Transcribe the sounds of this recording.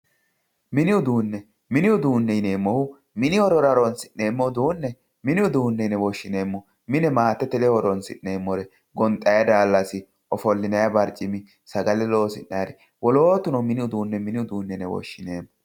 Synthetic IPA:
mɪnɪʊd̪uːnːɛ | mɪnɪʊd̪uːnːɛɪne̞ːmːɔhʊ | mɪnɪhɔɾɔɾɐɾɔnsɪnːe̞ːmːɔd̪uːnːɛ | mɪnɪʊd̪uːnːɛnɛwɔʃːɪne̞ːmːɔ | mɪnɛmaːt̪ːɛt̪ɛlɛhɔɾɔnsɪ̰ʔːe̞ːmːɔɾɛ | ɡɔnt̪ʼːɐjɐd̪aːlːɐsɪ | ʔɔfɔlːɪnɐjɐbɐɾt͡ʃʼːɪmɪ | sɐɡɐlɛlo̞ːsɪnːaːɾɛ | wɔlo̞ːt̪ʊnɔmɪnɪʊd̪uːnːɛmɪnɪʊd̪uːnːɛnɛwɔ̰ʃːɪneːmːɔ

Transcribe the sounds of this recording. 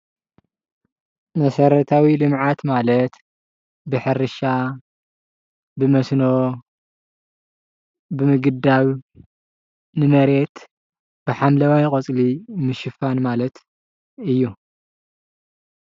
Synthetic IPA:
mɐsɐɾɐt̪ʰawilɨmʕat̪malɐt̪ | bɨħɨɾɨʃa | bɨmɐsno | bɨmɨɡɨd̪aβ | nɨmɐɾe̞t̪ | b̥ɨħamlɐwajkʼɐt͡sʼlimɨʃɨfanmalɐt̪ | ɨjːu

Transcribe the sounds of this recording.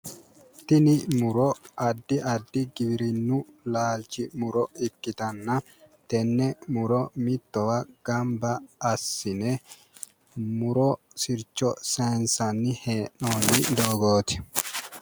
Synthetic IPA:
t̪ɪnɪmʊɾɔɐd̪ːɪʔɐd̪ːɪɡɪbɪɾɪnːʊlaːlt͡ʃɪmʊɾɔɪkːɪt̪ɐnːɐ | t̪ɛnːɛmʊɾɔmɪt̪ːɔwɐɡ̥ɐmbɐːsːɪnɛ | mʊɾɔ | sɪɾt͡ʃːɔseːnsɐnːɪheːnːoːnːɪd̪oːɡoːt̪ɪ̥

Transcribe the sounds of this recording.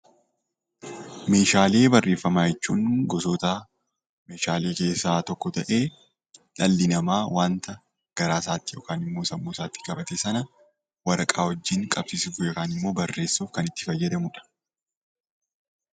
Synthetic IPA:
me̞ːʃaːle̞ːbɐrːʔe̞ːfːɐmaːjɛt͡ʃːuːnɡɔsoːt̪aː | me̞ːʃaːle̞ːke̞ːsːaːt̪ɔkːɔt̪ɐʔe̞ː | ᶑɐlːɪnɐmaːwaːnt̪ɐ | ɡ̥ɐɾaːsaːt̪ːɪjo̰ːkaːnɪmːo̞ːsɐmːoːsaːt̪ːɪ̥kʼɐbɐt̪esɐnɐ | wɐɾʔɐkʼaːwɔd͡ʒːɪŋkʼɐbsɪsɪfʊjoːkaːnɪmːo̞ːbɐrːe̞ːsːuːfkɐnɪt̪ːɪ̥fɐjːɛd̪ɐmʊᶑɐ̥

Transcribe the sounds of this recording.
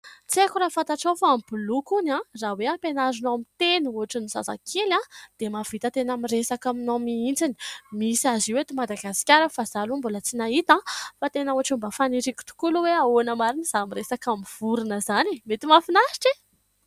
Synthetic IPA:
t͡sekuɾafant̪aʈ͡ʂofaambulukunãraweapenazunoamit̪enuɦaʈ͡ʂinizasa̰kʰelãd̪̥emav̥it̪ət̪enamiresakaminomiind͡zini̥misaziwet̪imad̪aɡasi̥kʲaɾəfazalumbulət͡sinaɦit̪ãfat̪enəuaʈ͡ʂumbafaniɾiku̥t̪u̥kuluweaonəmaɾiniz̥amiresakamiv̥uɾinəzanimet̪imafinaʃi̥ʈ͡ʂi

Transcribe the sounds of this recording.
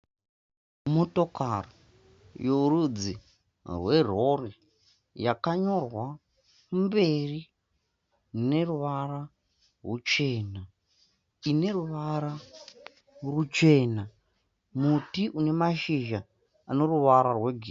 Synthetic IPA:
moto̞karo | jouɾud͡zi | rwe̞r̤o̞ri | jakaɲo̞rwa | mbe̞ri | ne̞ruʋara | rut͡ʃe̞ːna | ine̞ruʋaɾa | rut͡ʃe̞ːna | mutiʔune̞maʃiʒa | ano̞ruʋaɾarwe̞ɡʱi

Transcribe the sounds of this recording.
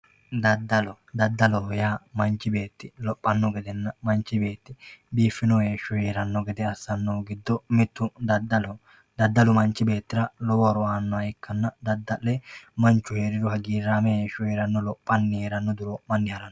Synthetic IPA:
d̪ɐd̪ɐlɔ | d̪ɐd̪ːɐlɔjaːmɐnt͡ʃːɪbe̞ːt̪ːɪlɔpʼːɐnːɔɡɛd̪ɛnːɐmɐnt͡ʃːɪbe̞ːt̪ːɪbiːfːɪnɔjeːʃʊheːɾɐnːɔɡɛd̪ɛɐsːɐnːoːɡɪd̪ːɔmɪt̪ːʊd̪ɐɐlɔ | d̪ɐd̪ːɐlʊmɐnt͡ʃːɪbeːt̪ːɪɾɐlɔwɔɾʊaːnːɔɐɛkːɐnːɐd̪ɐd̪ːɐʔɛmɐnt͡ʃːʊheːɾɪɾʊhɐɡiːɾaːmɛeːʃʊheːɾɐnːɔlɔpʼːɐnːɪheːɾɐnːɔd̪ʊɾomɐnːɪhɐɾɐnːɔ

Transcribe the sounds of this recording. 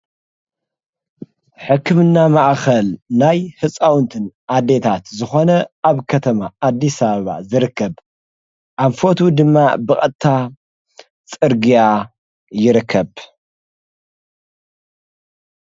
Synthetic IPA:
ħɨkːɨmɨnːamaʔxɐlnajhɨt͡sʼawnt̪ʰɨnʔad̪e̞t̪ʰat̪zɨxo̞nɐaβkʰɐt̪ʰɐmaːd̪ːisɐβɐβa̰zɨɾɨkʰːɐβ | ʔaβfo̞t̪ʰud̪ɨmːabɨkʼɐt̪ʰːa | t͡sʼɨɾɡija | jɪɾɨkʰːɐβ

